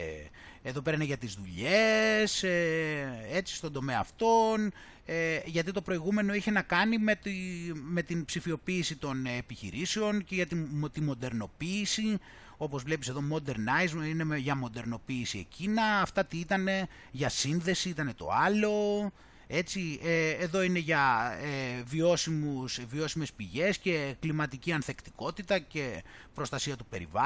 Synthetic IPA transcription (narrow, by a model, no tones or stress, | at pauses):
e̞ðo̞pe̞ɾɐneʝɐt̪izðuʎese | e̞t͡si̥st̪o̞nd̪ome̞ɐ̰ːft̪o̞n | eʝɐt̪̬it̪o̞pɾo̞iɣume̞no̞içe̞nɐkɐnimet̪ime̞t̪inpsifio̞piːsit̪o̞nepiçḭɾiseo̞nce̞ʝɐt̪iot̪imo̞d̪e̞ɾno̞piːsi | o̞po̞zvle̞pise̞ðo̞mo̞d̪e̞ɾnɐizmine̞ʝɐmo̞d̪e̞ɾno̞piːsie̞̰cinɐːft̪ɐt̪iit̪ɐne̞ | ʝɐsinðe̞siit̪ɐne̞t̪o̞̰ɐlo̞ | e̞t͡sieːðo̞ine̞ʝɐevio̞simusvio̞sime̞spiʝe̞sce̞klimɐt̪iciɐnθekt̪i̥ko̞t̪it̪ɐce̞ | pɾo̞st̪ɐsiɐt̪upe̞̰ɾḭvɐ